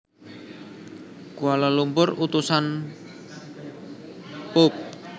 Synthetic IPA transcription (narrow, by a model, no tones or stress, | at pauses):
kualalumpʊrut̪usan | pop̚